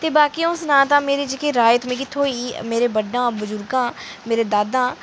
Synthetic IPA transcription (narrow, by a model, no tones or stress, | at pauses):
t̪eːbaːkiʊsnãːt̪ãːmeːɾeːd͡ʒɪkeːɾaːjt̪mẽːkɪt̪ʰːõːiːmeːɾeːbəɖːãːbʊzʊɾɡãːmeːɾeːd̪aːd̪ãː